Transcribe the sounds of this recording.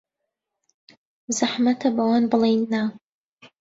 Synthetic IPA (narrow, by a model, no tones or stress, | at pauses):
zaħmɐt̪ʰɐbɐwaːnbɨlˠejnːa